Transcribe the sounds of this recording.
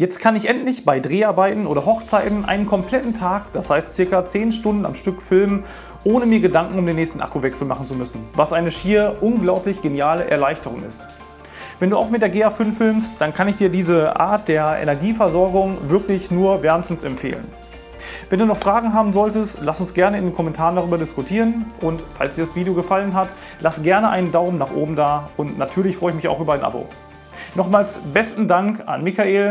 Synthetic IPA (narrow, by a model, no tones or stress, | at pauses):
jɛt͡stkʰanɪçʔɛntlɪçb̥aɪdʁeːaɐbaɪtn̩ʔoːɾɐɦɔχt͡saɪtn̩ʔa̰ɪnənkʰɔmpl̥ɛtn̩tʰaːkd̥ashaɪstt͡sɪɐkɐt͡seːnʃtʊndn̩a̰mʃtʏkfɪlmən | ʔoːnəmiːɐɡədaŋkŋ̩ʊmdeːnːɛːçstn̩ʔa̰kuvɛksl̩ma̰χn̩t͡sumʏsn̩vasʔaɪnəʃiːɐʔʊnɡlaʊplɪçɡ̥enjaːləʔɛ̰ɐlaɪçtəʁ̞ʊ̰ŋɪ̰st | vɛnduːaʊxmɪt̚d̥eːɐɡeːaːfʏnfɪlmstd̥ankʰanɪçd̥iːɐdiːzəʔa̰ːɐt̚d̥eːɐʔḛnɛɐɡiːfɛɐzɔɐɡʊŋvɪɐklɪçnuːɐvɛɐnsn̩sɛmpfḛːlə̰n | vɛnduːnɔχfʁ̥aːɡŋ̩ɦaːbm̩zɔltəstlasʊnsɡ̥ɛɐnəɪndeːnkʰɔmɛntʰaːʁəndaʁyːbɐdɪskʊtʰiːʁənʔʊntfa̰lsd̥iːɐdasv̥iːdijoɡəfalənɦat | lʔasəɡɛɐnəʔa̰ɪnəndaʊmənaːχʔo̰ːbm̩daːʔʊntnatʰyːɐlɪçfʁɔʏəɪçmɪça̰ʊxʔyːbɐaɪnʔa̰bo̰ː | nɔχmaːlsb̥ɛstn̩daŋka̰nmɪçaeːl